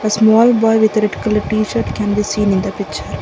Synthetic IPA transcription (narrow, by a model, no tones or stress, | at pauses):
əsmɔːlbɔːɪʋɪd̪ɾɪʈɪ̥kɐlʈiːʃəɾʈkɛ̃nbiːsĩːnɪ̃nd̪ɐpɪkt͡ʃəɾ